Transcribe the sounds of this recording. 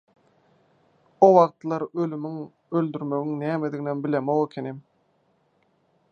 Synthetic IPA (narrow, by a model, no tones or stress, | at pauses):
owɑqt̪lˠɑɾølymyŋ | øld̪yɾmø̞ɣyŋnæːmed̪iɣinenbilemoɣekʲʰenim